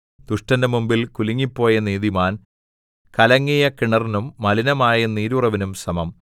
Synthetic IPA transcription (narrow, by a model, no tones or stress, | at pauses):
d̪̥uʂʈɐnɐmumbilkuliŋːipːo̞ːjɐniːðimaːn | kɐlɐŋːijɐkiɳɐrinumːɐlinɐmaːjɐniːɾurɐʋinumsɐmɐm